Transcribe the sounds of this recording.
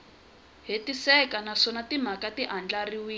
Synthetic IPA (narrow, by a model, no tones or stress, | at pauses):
ɦetisɛkanaʂɔnatim̤akatiʔand͡ɮariwiː